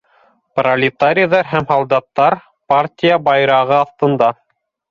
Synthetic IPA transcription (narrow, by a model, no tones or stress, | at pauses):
prɐlʲɪt̪aɾʲɪjðɑɾɦæmhɑlˠd̪ɑt̪ːɑɾ | partʲijabɑjɾɑʁɤɑθt̪ɤ̆nd̪ɑ